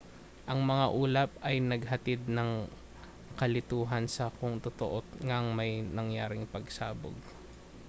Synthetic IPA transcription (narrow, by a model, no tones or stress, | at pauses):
ʔɐŋmɐŋaʔuːlɐp̚ɐjnɐɡɦɐt̪ɪd̪̚nɐŋ | kɐlɪt̪uːɦɐnsɐkʊŋt̪ot̪oʔoŋaŋmɐjnɐŋjaːɾɪŋpɐɡsaːbo̰ɡ̚